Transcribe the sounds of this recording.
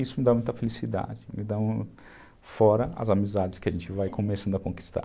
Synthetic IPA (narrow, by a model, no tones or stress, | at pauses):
isʊmɪd̪amũj̃t̪ɐfelisid̪a̰d͡ʒɪmɪd̪ɐ̃w̃ | fɔɾɐɐ̰zamizad͡ʒɪskɪɐʒẽnt͡ʃɪvajkʰomesɐ̃nd̪ʊɐkõki̥st̪a̰